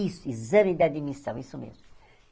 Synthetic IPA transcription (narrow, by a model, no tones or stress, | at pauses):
isuizɐmĩd̪ɛd̪imisɐ̰̃w̃isumḛzmu